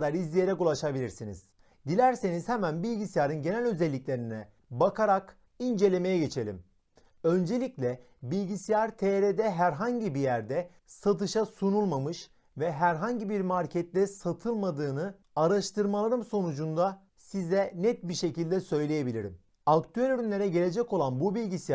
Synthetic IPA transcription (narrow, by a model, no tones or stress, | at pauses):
d̪aɾizlʲije̞ɾɛkulˠaʃabilʲiɾsinḭz̥ | d̪ilʲæɾse̞nizhɛmænbilʲɟisijaɾɯnɟe̞nælʲø̞zɛlʲːiclʲe̞ɾinɛ | bakʰaɾak | ind͡ʒe̞lʲe̞me̞jɛɟe̞t͡ʃʰe̞lʲḭm | ø̞nd͡ʒe̞lʲiclʲɛ | bilʲɟisijaɾt̪ʰeːɾed̪ɛɦæɾɦaɲɟibijæɾd̪ɛ | sat̪ɯʃasunulˠmamɯʃ | vɛɦæɾɦaɲɟibiɾmaɾcʰɛt̪lʲɛsat̪ʰɯlˠmad̪ɯːnɯ | aɾaʃt̪ʰɯɾmalˠaɾɯmso̞nud͡ʒund̪a | sizɛnɛt̪̚biʃe̞cilʲd̪ɛsø̞jlʲe̞je̞bilʲiɾḭm | akt̪ʰyælʲyɾynlʲe̞ɾɛɟe̞lʲe̞d͡ʒɛco̞lˠanbubilʲɟisij